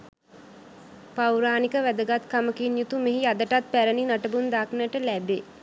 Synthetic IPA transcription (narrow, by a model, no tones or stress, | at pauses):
pawɾaːnikəʋæd̪əɡat̪kaməkinjut̪umeɦiad̪əʈat̪̚pæɾəninaʈəbund̪aknəʈəlæbe